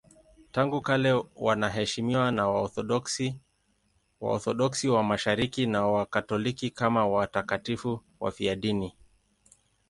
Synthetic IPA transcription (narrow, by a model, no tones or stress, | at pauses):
taŋɡukalɛwanaɦɛʃimiwanawaɔθɔɗɔks | wa̰ɔ̰θɔɗɔksiwamaʃaɾikinawakatɔlikikamawatakatifu | wa̰fiaɗini